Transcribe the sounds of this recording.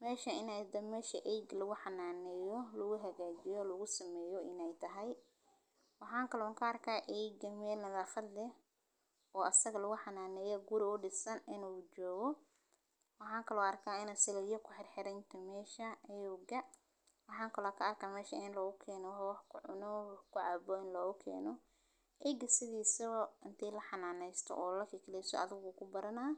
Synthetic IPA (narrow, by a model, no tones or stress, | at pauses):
mɛːʃɐɪnɛd̪ɐmɛːʃɐʔɛjɡlɐɣʊħɑnaːnɛːjɔlʊɣʊɦɐɣaːt͡ʃɪjɔlɐɣʊsɐmɛːjɔʔɪnɛjt̪ʰɐɦɛj | wɑħɑːŋkʰɐlɔŋkʰɐːrkʰaːʔɛjɡɐmɛːlnɐðaːxɐd̪lɛ | ɔːʔɐsɐɣɐlɐɣʊħɑnaːnɛːjɔɡʊɾɪʊɖɪsɐnɪnuːt͡ʃɔːɣɔ | wɑħɑːŋkʰɐlɔːɐrkʰaːɪnɐsɪlɐjɐkʰʊħɪrħɪɾɛjnt̪ʰɐmɛːʃɐɛjuɡɐ | wɑħɑːŋkʰɐlɔːkʰɐɐrkʰaːmɛːʃɐɪnlɔːɣʊkʰɛːnɔwħwɑħkʰʊʕʊnɔwħkʰʊʕɑːbɔɪnlɔːɣʊkʰɛ̰ːnɔ | ʔɛːɡɐsɪðiːsɐɔʔɪnt̪ʰiːlɐħɑnaːnɛjst̪ʰɔ̰ʔɔːlɐkʰɪkʰlɛsɔ̰ɐ̰ðɪɣʊkʰʊbɐɾɐnaː